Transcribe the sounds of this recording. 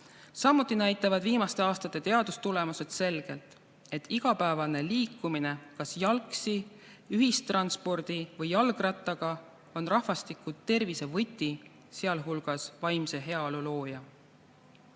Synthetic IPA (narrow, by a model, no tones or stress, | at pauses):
sɑmːut̪ːˑinæjt̪ːˑɑvɑd̪viːmɑst̪e̞ɑːst̪ɑt̪ːˑe̞t̪e̞ɑd̪̥ust̪ule̞muse̞d̪̥se̞lɡ̥e̞lt̪ˑ | e̞t̪ːˑiɡ̥ɑpæevɑne̞liːkːˑumine̞kɑsjɑlksi | yɦist̪ːrɑnspo̞rd̪̥ivɤjːɑlɡ̥rɑt̪ˑːɑɡ̥ɑ | o̞nrɑhvɑst̪ikˑut̪ːe̞rvise̞vɤt̪ʲːˑi | seɑlɦulɡ̥ɑsvɑjmse̞ɦe̞ɑolulo̞ːjɑ